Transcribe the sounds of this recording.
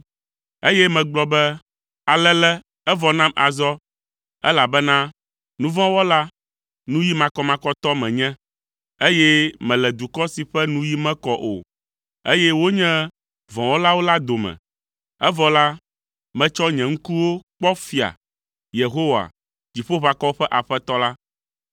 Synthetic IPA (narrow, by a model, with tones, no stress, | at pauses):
e˦jɛ˦mɛ̃˨ɡ͡blɔ˦bɛ˦ | a˨lɛ˦lɛ˦ | ɛ˦vɔ˨nã˦mʔa˨zɔ˦ | ɛ̰˦la˨bɛ˦nã˦ | nũ˦vɔ̃˦wɔ˦la˦ | nũ˦ji˦mã˨kɔ˦mã˨kɔ˦t̪ɔ˦mɛ̃˨ɲɛ̃˦ | e˦jɛ˦mɛ̃˨lɛ˨d̪u˨kɔ˦si˨ɸɛ˦nũ˦ji˦mɛ̃˦kɔ˦ʔo̰˨ | e˦jɛ˦wo˦ɲɛ̃˦ | vɔ̃˨wɔ˦la˦wo˦la˦d̪o˨mɛ̰̃˨ | ɛ˦vɔ˨la˦ | mɛ̃˦t͡ʃɔ˦ɲɛ̃˨ŋ̩˦ku˦wo˦k͡pɔ˦fi˨a̰˨ | je˨ɦo˦wa̰˨ | d͡ʑi˨ɸo˦βa˨kɔ˦ɸɛ˦ʔa˨ɸɛ˦t̪ɔ˦la˦